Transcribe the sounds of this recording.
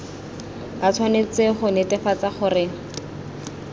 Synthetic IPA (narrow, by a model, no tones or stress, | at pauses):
bat͡sʰwanet͡sɪχʊnɛtɛfat͡saχʊrɪ